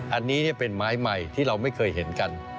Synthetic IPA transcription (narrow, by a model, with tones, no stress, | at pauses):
ʔa˧nːiː˦˥ni˥˩pe˧nmaː˦˥jma˨jt̪ʰiː˥˩ɾa˧wma˥˩jkʰɤː˧jɦe˩˦nka˧n